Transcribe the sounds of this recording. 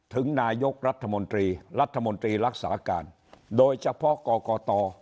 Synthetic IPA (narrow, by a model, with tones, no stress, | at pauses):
t̪ʰɨ˨˧˦ŋnaː˧˩jo˦˥k̚ɾaː˦˥t̪̚ʰːa˧mo˧nt̪i˧laː˦˥t̪̚ʰːa˧mo˧nt̪i˧laː˦˥k̚sa̰ː˨˧˩ka̰ː˨˩n | ɗo˧˩jt͡ɕa˦˥pʰɔ˦˥kɔ˧kɔ˧t̪ɔ˧